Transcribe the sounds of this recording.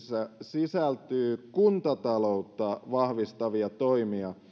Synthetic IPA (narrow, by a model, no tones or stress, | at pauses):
sːæsisælt̪yːkunt̪ɑt̪ɑlout̪ːˑɑʋɑhʋist̪ɑʋiɑt̪oimiɑ